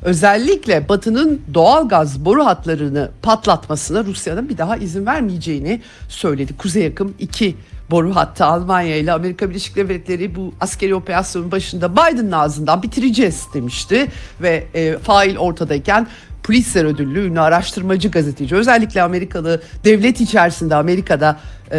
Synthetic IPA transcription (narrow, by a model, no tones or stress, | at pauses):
ø̞zɛlʲːiclʲɛbat̪ʰɯnɯnd̪o̞alˠɡazbo̞ɾuɦat̪lˠaɾɯnɯpʰat̪ʰlˠat̪masɯnaɾusjad̪ɯnbid̪aɦaʔizinvæɾmijed͡ʒe̞jinɪ | sø̞jlʲe̞d̪ikʰuzejakɯmicʰibo̞ɾuɦa̰t̪ʰːɯalˠmanjailˠaːme̞ɾikʰabilʲe̞ʃi̥c̚d̪evɾɛt̪lʲe̞ɾibuasce̞ɾio̞pʰe̞ɾasjonunbaʃɯnd̪abajd̪ɯnnaːzɯnd̪anbit̪ʰiɾid͡ʒɛz̥d̪e̞miʃt̪ʰɪvɛfaːilʲo̞ɾt̪ʰad̪aicʰæn | pʰulʲislʲɛɾød̪ylʲːyynːʲyaɾaʃt̪ʰɯɾmad͡ʒɯɡaze̞t̪ʰed͡ʒiø̞zælʲːiclʲɛame̞ɾikʰalˠɯd̪ɛvlʲɛt̪it͡ʃʰæɾsind̪ɛame̞ɾikʰad̪a